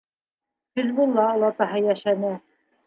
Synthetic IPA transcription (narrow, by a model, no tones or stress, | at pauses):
hɘzbulˠːɑ̆lˠɑt̪ɑɦɤjæʃænɘ